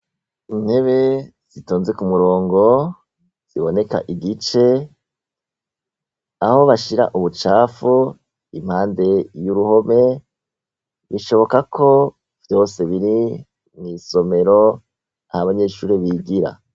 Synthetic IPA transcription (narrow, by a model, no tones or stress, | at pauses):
in̥he̞βe̞z̥itoːnze̞kumuɾo̞ːŋɡo̞ | z̥iβo̞ne̞ka̰ʔiɡit͡ʃe̞ | aho̞βaʃiɾa̰ʔuβut͡ʃaːfu | im̥haːnde̞juɾuho̞me̞ | βiʃo̞βo̞kakʰo̞ | v̥jo̞ːse̞βiɾi | miso̞me̞ɾo̞ | ahaβaɲe̞ːʃuːɾeβiːɡiɾa̰